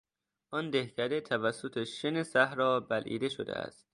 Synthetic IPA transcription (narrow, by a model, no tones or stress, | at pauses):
ʔɒnd̪ehcʰæd̪et̪ʰævæsːot̪ʰeʃenesæhɾɒːbælʔḭːd̪e̞ʃo̰d̪ḛæ̰st̪̚